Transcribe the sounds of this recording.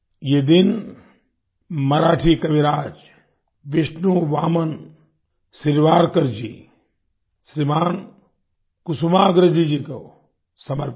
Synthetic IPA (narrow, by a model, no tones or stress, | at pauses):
jed̪in | mɐɾaːʈʰikɐʋiɾaːd͡ʒ | ʋiʃnuʋaːmɐn | siɾʋaːɾkɐɾd͡ʒḭː | sɾimaːn | kusumaːɐɡɾɐd͡ʒid͡ʒikɐw | sɐmɐɾp